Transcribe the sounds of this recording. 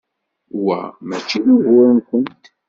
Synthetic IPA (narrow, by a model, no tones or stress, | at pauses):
wæ̰mæt͡ʃːiðuʝʊɾnkʷənt̪